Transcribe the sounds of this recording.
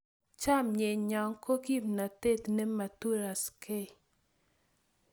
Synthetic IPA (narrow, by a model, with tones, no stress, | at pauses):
t͡ʃa˦mɲe˨ɲɔ˨ŋko˦ki˦mna˨te˦t̪ne˦ma˨tu˦ɾa˨ske˦˨